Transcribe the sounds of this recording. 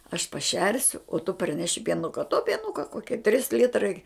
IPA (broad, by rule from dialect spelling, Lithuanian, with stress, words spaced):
ɐʃ pɐˈʃʲɛrʲsʲʊ oː tʊ pɐrʲˈnʲæːʃʲɪ pʲiɛˈnʊkɐ toː pʲiɛˈnʊkɐ ˈkoːkʲiɛ ˈtʲrʲɪs ˈlʲɪtrɐɪ